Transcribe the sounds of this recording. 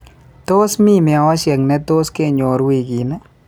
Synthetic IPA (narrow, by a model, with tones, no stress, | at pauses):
t̪o˦smi˦˨mɪ˨a˨ɔ˦ʃɛ˨knɛ˦t̪o˦ske˦˨ɲo˨ɾwi˨ɡi˨nɛ˦